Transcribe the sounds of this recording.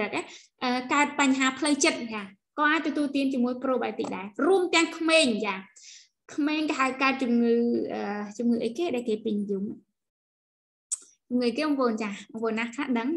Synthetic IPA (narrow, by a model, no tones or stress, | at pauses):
rək̚ʔa | ʔəːkaət̪̚paɲɦaːpʰləwt͡ɕət̪̚t͡ɕaː | kɑːʔaːc̚t̪ɔt̪uəlt̪iənt͡ɕiəmuəjproːɓaɛt̪iːk̚ɗaɛruəmt̪ɛ̆əŋkʰmeːɲt͡ɕaː | kʰmeːŋkəɦakaət̪̚t͡ɕumŋɨːʔəːt͡ɕumŋɨːʔəjkeːɗaɛlkeːpiɲjuːm | t͡ɕumŋɨːʔəjkeːʔɑmpoːnt͡ɕaːʔɑmpoːnːaht̪ʰaːɗəŋ